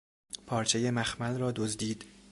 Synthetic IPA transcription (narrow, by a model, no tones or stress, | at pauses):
pʰɒːɾt͡ʃʰejemæxmælrɒːd̪ozd̪iːd̪